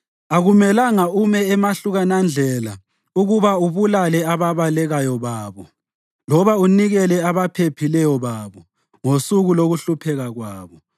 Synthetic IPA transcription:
aɣumɛlaŋaumɛːmaɬuɣanand͡ɮʱɛla | uɣuβauβulalɛaβaβalɛɣajɔβaːβɔ | lɔβauniɣɛlɛaβapʰepʰilɛjɔβaːβɔ | ŋosuɣuloɣuɬupʰɛɣaɣwaːβɔ

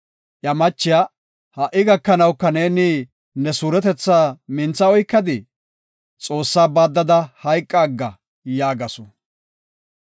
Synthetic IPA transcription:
ʔjɐmɐt͡ʃːɪjaː | hɐʔɪɡɐkːɐnɐwkːɐne̞ːnɪ | nɛsuːɾɛt̪ɛt͡sːaːmɪnt͡sːɐɔjkːɐd̪ɪ | t͡sʼo̞ːsːaːbaːd̪ːɐd̪ɐhɐjkʼːaːɡːɐ | jaːɡɐsɔ

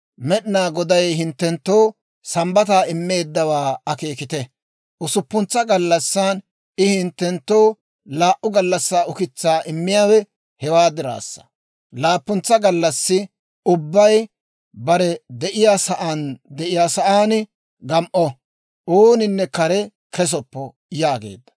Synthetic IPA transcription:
mɛɗɪnaːɡɔd̪ɐjhɪnt̪ːɛnt̪ːoː | sɐmbɐt̪̬aːɪmːe̞ːd̪ːɐwaːɐke̞ːkɪt̪ɛ | ʔʊsʊpːʊnt͡sːɐɡɐlːɐsːan | ɪhɪnt̪ːɛnt̪ːo̞ː | laːʔʊɡɐlːɐsːaːʊkɪt͡sːaːʔɪmːɪjaːwɛ | hɛwaːd̪ɪɾa̰ːsːɐ̥̰ | laːpːʊnt͡sːɐɡɐlːɐsːɪ | ʊbːɐj | bɐɾɛd̪ɛʔɪjaːsɐʔaːnd̪ɛʔɪjaːsɐʔaːn | ɡɐmʔɔ | ʔoːnɪnːɛkɐɾɛ | kɛs̬ɔpːɔ | jaːɡḛːd̪ːɐ̥

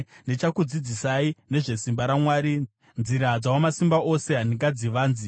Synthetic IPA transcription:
net͡ʃakud͡zid͡zisaine̞ʐe̞simbaɾamwaːɾi | nziɾad͡zawamasimbaʔo̞se̞ɦandiŋɡad͡ziʋaːnzi

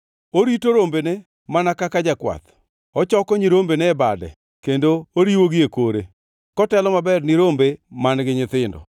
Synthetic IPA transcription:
oɾitoɾombene | manakakad͡ʒakwa̰t̪ | ɔt͡ʃɔkɔɲiɾombenɛɛbadɛ̰ | kendooɾiwoɡɪjekoɾe | kɔtɛlɔmabɛrniɾombemanɡɪɲɪt̪ɪndɔ̰

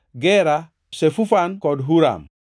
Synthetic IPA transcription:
ɡɛɾa | sefufankɔdɦuɾa̰m

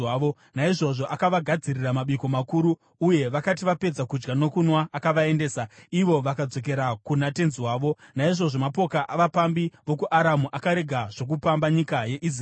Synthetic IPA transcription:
ʋo | naiʐo̞ʐo̞ʔakaʋaɡʱad͡ziriramaɓiko̞makuːɾuː | je̞ʋakatiʋape̞d͡zakud͡ʒɡano̞kunwaʔːkaʋae̞nde̞ːsaiʋo̞ʋakad͡zo̞k̬e̞ɾakunate̞nziwaːʋo̞naiʐo̞ʐomapo̞kaʔaʋapambiʋo̞kuʔaɾamuʔakaɾe̞ɡʱaʐ̥o̞k̬upambaɲikaje̞ʔis

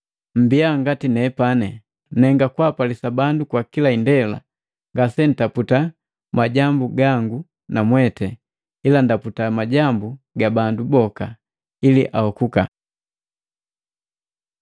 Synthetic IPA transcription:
m̩biaŋɡatinɛpanɛ | nɛŋɡakwapalisabandukwakilaindɛla̰ | ŋɡasɛn̩taputa | maɟambuɡaŋɡu | namwɛtɛ | ilandaputamaɟambu | ɡabandubɔka | iliʔahɔkuka̰

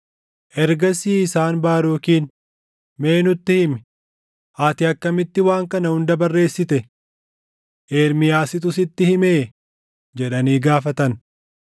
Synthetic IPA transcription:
ʔɛɾɡɐsiːɪsaːnbaːɾoːkiːn | me̞ːnʊt̪ːɪhɪmɪ | ʔaːt̪ɪɐkːɐmɪt̪ːɪwaːŋkɐnɐhʊnd̪ɐbɐrːe̞ːsːɪt̪ɛ | ʔeːɾmɪjaːsɪt̪̬ʊsɪt̪ːɪhɪmeː | d͡ʒɛᶑɐniːɡaːfɐt̪ɐn

